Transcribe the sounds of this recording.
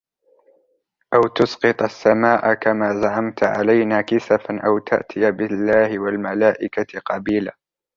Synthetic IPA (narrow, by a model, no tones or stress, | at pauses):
ʔawt̪ʊsqɨt̪ˤasːamaːʔakamaːzaʕamt̪ʕa̰lajnaːkɪsafanʔawt̪ʰa̰ʔt̪ʰɪjabɪlːaːhɪwalmalaːʔɪkaqɑbiːlaː